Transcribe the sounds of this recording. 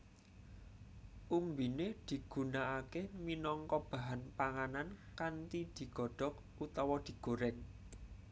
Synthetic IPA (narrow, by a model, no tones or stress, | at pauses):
ʔumbined̪̥i̤ɡ̥ṳnaʔakeminɔŋkɔb̥a̤ɦanpaŋanankant̪id̪̥i̤ɡ̥ɔ̤ɖ̥ɔ̤k̚ | ut̪ɔwɔd̪̥i̤ɡ̥oɾɛŋ